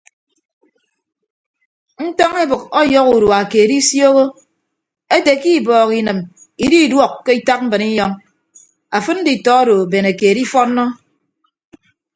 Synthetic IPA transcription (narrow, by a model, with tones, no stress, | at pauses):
n̩˦tɔ˦ŋe˦bɨ˨kɔ˦jɔ˦ku˨ɾwa˨keː˨di˦sjo˦ɣo˦ | e˦te˨ki˦˨bɔː˨ki˨nɨ˨m | i˨di˦˨dwɔ˦kːe˦i˦ta˦k̚m̩˦bɨ˨ni˦jɔ˦ŋ | a˨fɨ˦n̩˦di˨tɔ˦a˦do˨be˨ne˨keː˨di˦fɔ˦nː˦ɔ˦